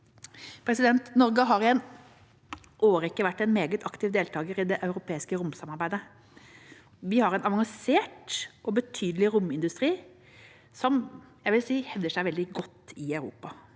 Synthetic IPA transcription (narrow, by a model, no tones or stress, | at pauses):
pʰɾɛsɪd̪ɛnt̪nɔɾɡəɦɑɾɪɛn | ʔoːɾəɪkːəʋæʈːɛnmeːɡət̪ʰɑkt̪ɪʋd̪eːlt̪ʰɑːɡəɾɪd̪ɛʔɑʉɾʊpʰeːɪskəɾʊmsɑmɑɾbæɪd̪ə | ʋɪhɑɾɛnɑʋɑŋseːʈʔɔbət̪ʰyːd̪əlɪɾʊmɪnd̪ʉst̪ɾiː | sɔmjæɪʋɪlsiːhɛʋd̪əʂæɪʋɛld̪ɪɡɔt̪ːɪɑʉɾṵːpɑ